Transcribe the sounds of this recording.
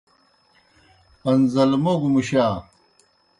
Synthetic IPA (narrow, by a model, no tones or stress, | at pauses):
ɐnzɐlmoɡmuɕaː